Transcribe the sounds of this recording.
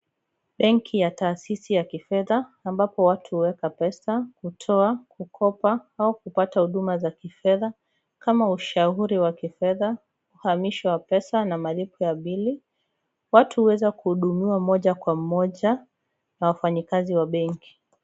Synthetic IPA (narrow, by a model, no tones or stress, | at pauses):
ɓɛŋkʰijataːsisijakifɛðaːmbapɔwatʰuhwɛkapɛsakutʰɔakukʰɔpaaukupatahuɗumazakifɛða | kamauʃauɾiwakifɛða | uhamiʃawapɛsanamalipɔjaɓili | watʰuhwɛzakuhuɗumiwamɔʄakwamɔʄa | nawafaɲikaziwaɓɛŋki̥